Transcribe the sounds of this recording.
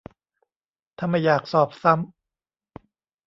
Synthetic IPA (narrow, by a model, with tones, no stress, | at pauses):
t̪ʰa˧˩ma˧˩jːaː˨˩k̚sɔː˨˩p̚sa˦˥m